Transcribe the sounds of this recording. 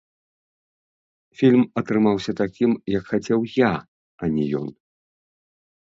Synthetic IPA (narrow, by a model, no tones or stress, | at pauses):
fʲilʲmɐt̪ɾɨmawsʲɐt̪akʲimjɐkxat͡sʲɛwja | ɐnʲɛjɔ̰n